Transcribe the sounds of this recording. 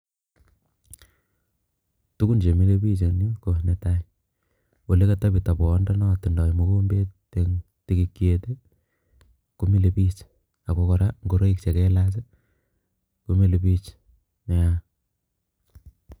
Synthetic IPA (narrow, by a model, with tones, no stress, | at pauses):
tu˦ku˦nt͡ʃe˨mi˦lebi˦t͡ʃe˨ni˦ko˨ne˨ta˦i | wo˨le˦ka˦ta˦bi˨ta˨pɔ˨˦nda˦nɔ˦˨ti˨ndɔ˨imo˦ko˦mbe˦te˨ŋ | ti˦ki˦kjete˦ | ko˦mi˦lepi˦t͡ʃ | a˨ko˦kɔɾaŋɡo˦ɾo˦ik̚t͡ʃe˨kɛlas̬e | ko˦mi˦le˨pi˦t͡ʃ | me˨a